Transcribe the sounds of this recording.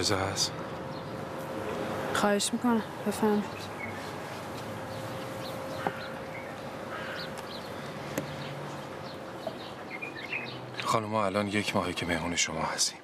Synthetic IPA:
zehæs | xɒːheʃmikonæmbefæmi̥ | xɒːnumɒːælɒːnjecʰmɒːhecʰeme̞hmuːne̞ʃomɒ̰ːhæst̪i̥ːm

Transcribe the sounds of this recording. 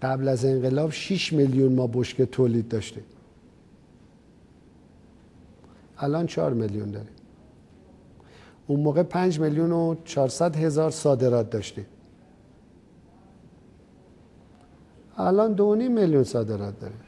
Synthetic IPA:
ɢæblæze̞ŋɢelɒːbʃiʃmeljunmɒːboʃket̪ʰoːliːd̪̚ːɒːʃt̪im | ælʔɒːnt͡ʃʰɒ̰ːɾmeljund̪ɒːɾi | unmoːɣepʰænd͡ʒmeljunot͡ʃʰɒːɾsæd̪ɦe̞zɒːɾsɒːd̪e̞ɾɒːt̪̚d̪ɒːʃt̪im | ælɒːnd̪oonimːeljunsɒːd̪e̞ɾɒːt̪̚d̪ɒ̰ːɾi

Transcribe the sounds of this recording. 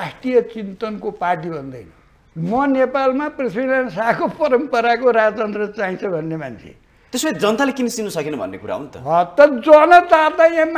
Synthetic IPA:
asʈijʌt͡sint̪ʌnkopaʈibʱʌnd̪ʌjnʌ | mʌnepalmapriswiɽansakopʌɾʌmpʌɾakoɾad͡zʌt͡sʌnd̪rʌt͡saɦĩnt͡sʰʌbʱʌnːemant͡sʰḛ | t̪esmet̪d͡zʌnt̪alekinʌsinːusʌkinʌbʱʌ̰nːḛkuɾa̰ɦṵnt̪ʌ̰ɦʌt̪ʌd͡zʌnʌt̪art̪ajãm

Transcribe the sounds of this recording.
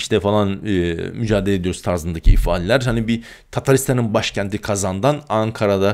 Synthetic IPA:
iʃt̪ʰɛfalˠanɯmyd͡ʒaːd̪elʲed̪ijoɾust̪ʰaɾzɯnd̪acʰiifaːlʲɛlʲæɾhanibi | t̪ʰat̪ʰaɾist̪ʰaninbaʃcʰænt̪ʰikʰazand̪anaŋkʰaɾad̪a

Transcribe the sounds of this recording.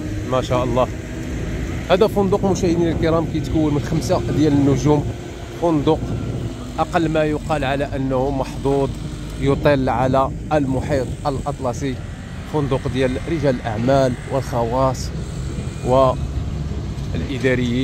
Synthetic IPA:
mæʃæʔɑlˤːɑ | hæd̪æfʊnd̪ʊqmʊʃæhəd̪inəlkəɾɑmkæjt̪kuwːənmənxəmsad̪jælənːʊʒum | fʊnd̪ʊq | ʔɑqɑlːmæjʊqɑlʕalæʔənːhumɑħd̪ˤud̪ˤ | jot̪ˤəlːʕalæ | lmʊħit̪ˤʔəlʔɑt̪ˤlɑsˤi | fʊnd̪ʊqd̪jælɾəʒæləlʔaʕmælwəlxɑwɑsˤ | wə | əlʔəd̪æɾəjːi

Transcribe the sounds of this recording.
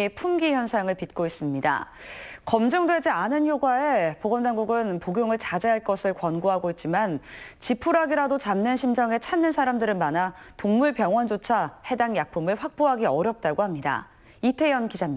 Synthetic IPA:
epʰumɡiçjʌnsʰaŋɯɭpit̚k͈ois͈ɯmɲida̰ | kʌmd͡ʑʌŋdwe̞d͡ʑianɯnçjoɡwae̞poɡʌndaŋɡuɡɯnpoɡjoŋɯɭt͡ɕad͡ʑeɦaɭk͈ʌsʰɯɭkwʌnɡoɦaɡoit̚t͡ɕ͈imant͡ɕipʰuɾaɡiɾadot͡ɕamnɯnɕʰimd͡ʑʌŋe̞t͡ɕʰanːɯnsʰaɾamdɯɾɯnmanatoŋmuɭpjʌŋwʌnd͡ʑot͡ɕʰahe̞daŋjak̚pʰumɯɭɸwak̚p͈oɦaɡiʌɾjʌp̚t͈aɡohamɲida̰ | itʰe̞jʌnkid͡ʑamɲi

